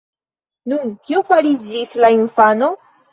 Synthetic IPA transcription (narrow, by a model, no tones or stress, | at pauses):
nunkiofaɾid͡ʒislainfano̞